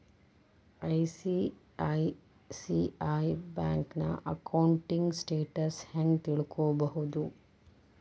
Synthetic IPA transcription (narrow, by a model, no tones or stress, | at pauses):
ɐjsi | aj | siaːjbaːŋknɐ̰ʔɐkɐwɳʈiŋɡsʈeːʈɐsheŋɡt̪iɭukoːbɐɦud̪u